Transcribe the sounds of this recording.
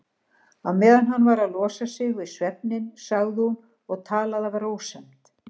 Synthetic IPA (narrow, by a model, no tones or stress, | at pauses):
awmɛːðanɦanːvaɾaðlɔːsasɪɣvɪðsvɛp̚nɪnsaɣðɪhun | ɔɣt̪ʰaːlaðavaɾoːwsɛm̥t̪